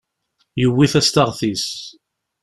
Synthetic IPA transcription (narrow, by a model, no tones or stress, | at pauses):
jəwːiθæst̪aʁθis